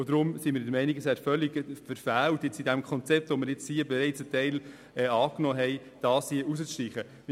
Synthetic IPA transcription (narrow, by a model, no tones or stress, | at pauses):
od̥̪ɾʊmsimɪɾdəɾmɛɪniɡəshæɾfœliɡfəɾfæːltjɪt͡sidæmkʰɔnt͡sɛp̚tʋomɪɾjɪt͡shiəbɛɾɛɪt͡sətɛɪl | ɛːɑːknɔːɦɛɪ | d̥ɑːshiəʔusət͡sʃtiːχə